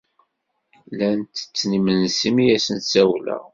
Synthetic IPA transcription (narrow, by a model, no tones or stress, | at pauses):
lænt̪ə̥t͡sːnimənsimijæsənt̪sæwlæ̰